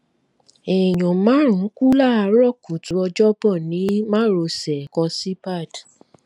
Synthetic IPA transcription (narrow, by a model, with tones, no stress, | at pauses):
ɛ˨j̃ɔ̃˨mã˨˦ɾ̃ũ˨˦ku˦la˦˨a˧ɾɔ˦˨ku˨tu˨˦ɔ˧d͡ʒɔ˦bɔ˦˨nĩ˨˦mã˦ɾo˧sɛ˨kɔ˧si˦ba˦˨d